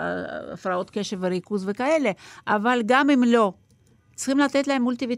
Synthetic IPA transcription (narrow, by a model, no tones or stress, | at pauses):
a̰fɾao̞t̪keʃevːeɾikuzvekaele̞ʔavalɡamimlo̞ | t͡sχimlat̪et̪laemːult̪ivi